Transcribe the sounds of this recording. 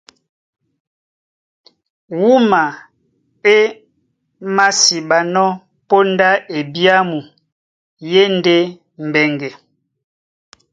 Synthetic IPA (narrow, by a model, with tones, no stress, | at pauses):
wu˦ma˨ | e˦ | ma˦si˨ba˨nɔ˦ | po˦nda˦ʔe˨bi˦a˦mu˨ | je˦nde˦ | m̩˨bɛ˨ŋɡɛ˨